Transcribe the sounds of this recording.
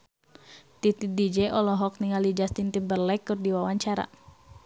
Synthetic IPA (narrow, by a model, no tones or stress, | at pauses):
t̪it̪idid͡ʒɛʔɔlɔɦɔk̚niŋalid͡ʒast̪int̪imbərlɛkːɨrdiwawaɲt͡ʃaɾa̰